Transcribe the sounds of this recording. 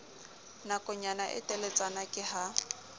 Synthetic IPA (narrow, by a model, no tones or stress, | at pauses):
nakʼʊɲanaʔɪ̰tʼɛlet͡sʼanakʼɪha